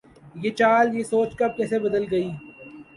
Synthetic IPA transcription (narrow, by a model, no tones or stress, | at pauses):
jet͡ʃaːljesoːt͡ʃkɐb̚kɛːsebɐd̪əlɡɐiː